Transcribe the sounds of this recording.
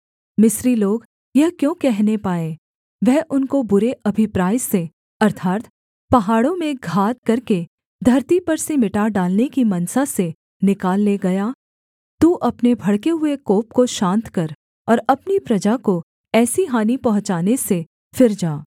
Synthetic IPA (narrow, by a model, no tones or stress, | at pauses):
mɪsɾiloːɡ | jɐɦkjõːkɛɦnepaːẽ | ʋɛɦʔʊnkobʊɾeʔɐbʱɪpɾaːjse | ɐɾt̪ʰaːt̪ | pɐɦaːɽõmẽɡʱaːt̪̚kɐɾke | d̪ʱɐɾt̪ipɐɾsemɪʈaɖaːlnekimɐnsase | nɪkaːlːeɡɐjaː | t̪uːʔɐpnebʱɐɽkeɦʊekoːp̚koʃãːnt̪kɐɾ | ɔːɾɐpnipɾɐd͡ʒako | ɛːsiɦaːnipɐɦʊ̃t͡ʃaːnese | fɪɾd͡ʒaː